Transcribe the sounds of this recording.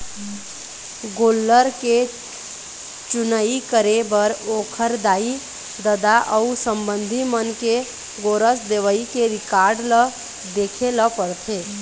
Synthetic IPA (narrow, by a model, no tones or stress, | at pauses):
ɡoːlːəɾke | t͡ʃʊnəikəɾebəɾoːkʰəɾd̪aːi | d̪əd̪aʔəusəmbənd̪ʱimənke | ɡoɾəsd̪eʋəikeɾɪkaɾɖlə | d̪ekʰeləpəɽt̪ʰe